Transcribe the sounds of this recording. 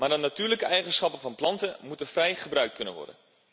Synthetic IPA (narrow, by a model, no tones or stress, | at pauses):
maːdənatyːɹləkəɛjχənsχɑpənvɑnplɑntəmutəvrɛjχəbrœɥkt̚kɵnə̰nʋɔ̰ɹdə̰n